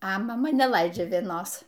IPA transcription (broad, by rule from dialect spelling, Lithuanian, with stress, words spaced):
ɐ mɐˈmɐ nʲɛˈlˠɐɪd͡ʒʲɛ ʋʲiɛˈnoːs